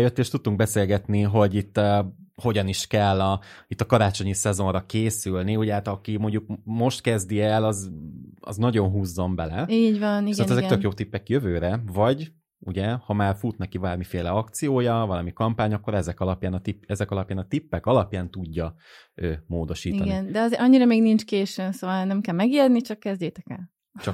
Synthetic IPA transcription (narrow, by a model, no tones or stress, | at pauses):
jøt̪ːeːʃt̪ut̪̚t̪uŋɡ̚bɛseːlɡɛt̪niɦo̞ɟit̪ːho̞ɟɒniʃkɛlːɒit̪ːɒkɒɾaːt͡ʃo̞ɲisɛzo̞nrɒkeːsylniuɟɛaːt̪ɒkimo̞ɲɟuk̚mo̞ʃt̪kɛzd̪iɛlɒzɒ̰znɒɟo̞nɦuːzːo̞mbɛlɛiːvɒnit̪aɛzɛkk̪økjoːt̪ipːɛkjøvøːɾɛvɒɟ | uɟɛhɒmaːrfut̪nɛkibaːrmifeːlɛɒkt̪sijoːjɒvɒlɒmikɒmpaːɲɒkːoɾɛzɛkɒlɒpjaːnɒt̪ipːɛzɛkɒlɒpjaːnɒt̪ipːɛkɒlɒpjaːnt̪uɟːɒ | øːmoːd̪o̞ʃiːiɒnɡiɛnd̪ɛɒzeʔɒɲːiɾɒmeːɡnint͡ʃkeːʃønsoːvɒlnɛmkɛlmɛɡirnit͡ʃɒkːɛzɟeːt̪ɛkɛl | t͡ʃɒk